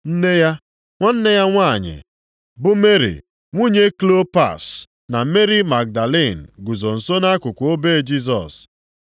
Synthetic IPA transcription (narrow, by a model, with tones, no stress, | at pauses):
n̩˦ne˦ja˦ | ŋʷa˦n̩˦ne˦ja˦ŋʷa˦˨ɲɪ̰˨ | bʊ˦me˦ɾḭ˨ | ŋʷu˦ɲe˦klo˦pa̰˦˨s | na˨me˦ɾi˦ma˨k̚da˨le˦˨n̩˨ɡu˨zo˨n̩˨so˦na˦kʊ˨kʷo˦be˦d͡ʒi˦z̬ɔ̰˨s